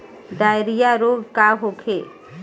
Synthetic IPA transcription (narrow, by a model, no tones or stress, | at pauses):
d̪ajɾijaɾoɡkaɦokʰe